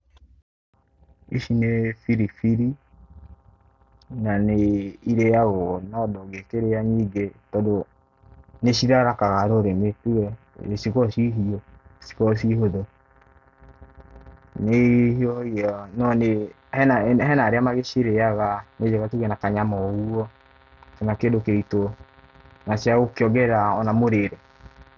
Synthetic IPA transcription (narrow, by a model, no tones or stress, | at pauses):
ḭʃinefiɾifiɾi | naneiɾejaɣɔnɔdɔɡekeɾejaɲiɡetɔdo | neʃiɾaɾakaɣaɾoɾemetuɣɛ | sikɔʃiɦiɔsi̥kɔʃiɦoðɔ | nehiɔijɔnɔne | hɛnaɦɛnaɾeamaɣeʃiɾeaɣaned͡ʒɛɣatuɣɛnakaɲamɔɣuɔ | kɛnakedokeito | naʃaɣokeɔɡɛɾaɔnamoɾeɾe